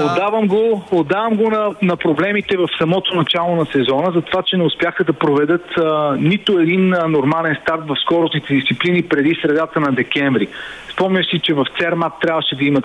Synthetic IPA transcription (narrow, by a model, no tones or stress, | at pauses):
od̪avəmɡood̪ːavəmɡonɐnɐpɾoblɛmit̪ɛvɐfsɐmɔt̪onɐt͡ʃalˠonɐsɛzɔnəzɐt̪ovat͡ʃɛnɛʊspʲjaxəd̪ɐpɾovɛd̪ɤt̪nit̪oɛd̪innoɾmalɛnst̪aɾt̪vɐfskɔɾʊsnit̪ɛd̪ist̪iplinipɾɛd̪isɾɛd̪at̪ənɐd̪ɛkʲɛɱvɾi | spɔmnʲəʃsit͡ʃɛvɐft̪sɛɾmat̪ːɾʲabvəʃɛd̪ɐimət̪